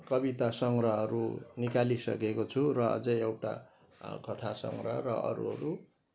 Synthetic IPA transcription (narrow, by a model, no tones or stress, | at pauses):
kʌbit̪asʌŋɡɾʌɦʌɾunikalisʌ̰kekot͡sʰurʌʌ̰d͡zʌjewʈa̰ | kʌt̪ʰasʌ̰ŋɡrʌrʌ̰ʔʌ̰ɾṵɦʌ̰ɾu